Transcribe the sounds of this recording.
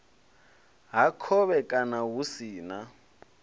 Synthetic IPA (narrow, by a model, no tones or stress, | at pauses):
ɦakʰɔβɛkʼanaɦusiːna